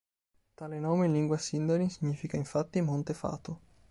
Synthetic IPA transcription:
t̪aːlenɔːmeinliŋɡwasind̪anisiɲːiːfikaiɱfat̪ːimont̪efa̰ːt̪o

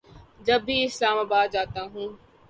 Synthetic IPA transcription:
d͡ʒəbʱiːɪslaːmaːbaːd̪̚d͡ʒaːt̪ãːɦũː

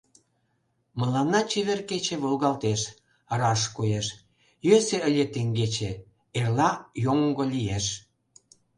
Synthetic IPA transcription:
məlɑnːɑt͡ɕeβerket͡ɕeβolɣɑlt̪eʃ | əɾɑʃkujeʃ | jøseəlʲet̪eŋɡet͡ɕe | erlɑjoŋɡolʲijeʃ

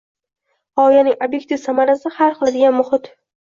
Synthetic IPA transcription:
hɒjanɪŋobje̞k̚t̪ʰivsamaɾasɪhaɾχɨlˠd̪ɪɡʲanmʊχɪt̪

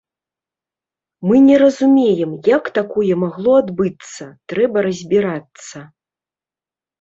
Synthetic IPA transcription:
mɨnʲɛɾɐzumʲejɛmjakt̪akɔjɛmaɣlˠɔad̪bɨt̪sːɐt̪ɾɛbɐɾɐzʲbʲiɾat̪sːɐ

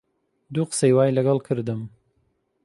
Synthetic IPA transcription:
d̪uːqɨ̥sejwaːjlɐɡɑlˠkʰɨɾd̪ɨm

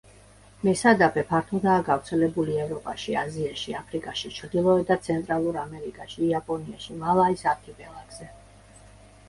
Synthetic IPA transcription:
mɛsad̪apʰɛpʰaɾt̪ʰud̪aːɡavɾt̪sʰɛlɛbuliɛvɾɔpʼaʃiaziaʃiapʰɾikʼaʃit͡ʃʰɾd̪ilˠɔɛd̪at̪sʰɛnt̪ʼɾalˠuɾamɛɾikʼaʃiːapʼɔniaʃimalˠaisat̪ʰipɛlˠaɡz̥ɛ

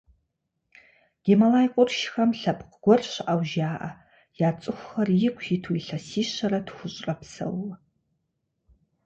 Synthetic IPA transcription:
ɡ̥ʲemalajqʷʼʊrʃxɐmɬɐpʰqɡʷɔrʃʷʔawʒaːʔa | jaːt͡sʼɨxʷːɐrjɪkʷʰjitʰuiɬɐsiːʃɐɾadxʷʊɕʼrʼɐpʰsɐ̰wː

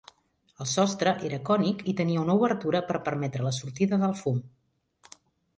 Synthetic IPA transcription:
əlˠsɔst̪ɾəʔeɾəkɔnikit̪əniəunəuβəɾt̪uɾəpəɾpəɾmɛt̪ɾələsuɾt̪iðəðəlˠfum

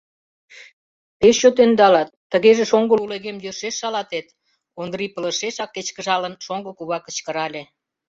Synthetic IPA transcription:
peʃt͡ɕot̪end̪ɑlɑt̪ːəɣeʒĕʃoŋɡəluleɣemjøʃeʃːɑlɑt̪et̪ | ond̪ɾipə̆lə̆ʃeʃɑkːet͡ɕkə̆ʒɑlənʃoŋɡəkuβɑkə̆t͡ɕkə̆ɾɑlʲe

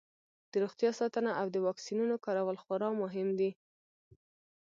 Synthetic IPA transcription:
d̪̥əɾoxt̪jɑsɑt̪ənaʔawd̪əwɑksinunokɑɾawəlxʊɾɑmʊɦɪmd̪i

